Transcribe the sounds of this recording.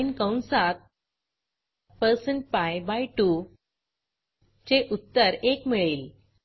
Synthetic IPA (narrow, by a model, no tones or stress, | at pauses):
inkə̃wnsat̪̚ | pəɾsəɳʈ̚pajbajʈu | t͡ɕeʔut̪ːəɾekmiɭiːl